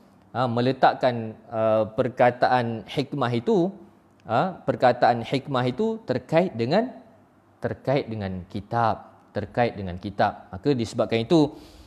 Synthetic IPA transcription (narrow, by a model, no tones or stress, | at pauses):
əmə̃lət̪aʔkanəpərkat̪aʔanhikmaɦit̪u | əpərkat̪aanħikmaɦit̪ut̪ərkaɪt̪̚dəŋãn | t̪ərkaɪt̪̚dəŋãnkit̪ap̚ | t̪ərkaɪt̪̚dəŋãnkit̪ap̚makədisəbap̚kanit̪u